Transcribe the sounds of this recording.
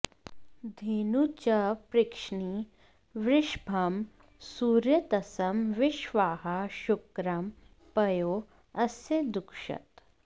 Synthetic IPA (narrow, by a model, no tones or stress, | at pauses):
d̪ʱeːnut͡ɕɐpɾɪkʂɳi | ʋɾɪʃbʱɐm | suːɾjɐt̪ɐsɐmʋɪʃʋaːɦɐʃʊkɾɐm | pɐjo | ɐsed̪ʊkʂɐ̰t̪